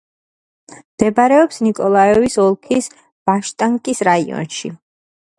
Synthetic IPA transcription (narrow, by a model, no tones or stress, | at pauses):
md̪̥ɛbɾɛɔpsnikʼɔlˠaɛvisɔlˠkʰis | b̥aʃt̪ʼaŋkʼisɾaiɔ̰nʃḭ